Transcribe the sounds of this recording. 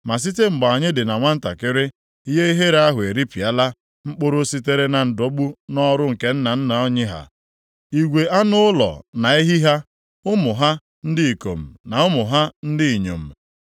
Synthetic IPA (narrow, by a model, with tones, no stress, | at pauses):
ma˨s̬i˦t̬e˦ŋ͡m̩˨ɡ͡ba˨a˨ɲɪ˦dɪ˨na˨ŋʷa˦n̩˦ta̰˨kɪ˦ɾɪ˦ | i˦ɦe˦i˦ɦe˦ɾa˦ɦʊ˨e˨ɾi˦pi˨a˦la˦ | ŋ͡m̩˦k͡po˦ɾo˦si˦t̬e˦ɾe˦na˨n̩˨do˨ɡ͡bu˦nɔ˦ɾʊ˦ŋ̩˨ke˦n̩˦na˨n̩˦na˨ɔ˦ɲɪ˦ɦa̰˨ | i˨ɡʷe˨ʔa˦nʊ˦ʊ˦lɔ̰˨na˨i˦ɦi˦ɦa˦ | ʊ˦mʊ˨ɦa˦ | n̩˦dɪ˦i˨ko̰˨m̩˨na˨ʊ˦mʊ˨ɦa˦n̩˦dɪ˦i˨ɲo̰˨m̩˨